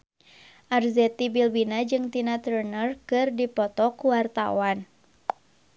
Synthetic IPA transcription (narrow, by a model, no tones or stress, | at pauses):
ʔarzɛt̪ibilbinad͡ʒɨŋt̪inat̪ərnərkɨrdipɔt̪ɔkuwart̪a̰wan